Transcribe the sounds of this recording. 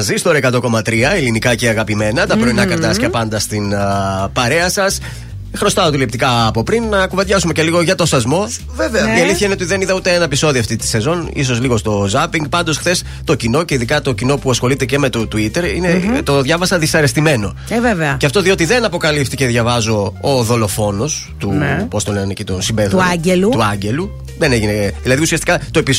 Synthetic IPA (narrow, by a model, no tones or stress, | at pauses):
ɐzist̪o̞ɾekɐt̪o̞ko̞mɐt̪ɾiɐelinikɐceɐɣɐpime̞nɐt̪ɐpɾo̞inɐkɐɾt̪ɐscɐpɐnd̪ɐst̪inpɐɾe̞ɐsɐs | xɾo̞st̪ɐot̪ilep̚t̪ikɐːpo̞pɾinːɐkuvɐd̪ʝɐsume̞ce̞liɣo̞ʝɐt̪o̞sɐzmo̞ | veveɐieliθiçɐineot̪iðe̞niðɐut̪eenɐepiso̞ðioɐft̪it̪i̥se̞zo̞nḭs̬o̞zliɣo̞st̪o̞zɐpiŋɡ̚pɐnd̪o̞sxθe̞s | t̪o̞cino̞ce̞iðikɐt̪o̞cino̞puɐsxo̞lit̪ece̞me̞t̪ot̪uit̪e̞ɾḭnet̪o̞ðʝɐvɐsɐðisɐɾe̞st̪ime̞no̞ | veveɐceɐft̪o̞ðiot̪iðe̞nɐpo̞kɐlipt̪ice̞ðʝɐvɐzo̞oðo̞lo̞fo̞no̞s | t̪unpost̪olennecit̪osibeðɐɟelut̪uɐɲɟe̞lu | ðe̞neʝineðilɐðiusiɐst̪i̥kɐt̪o̞epi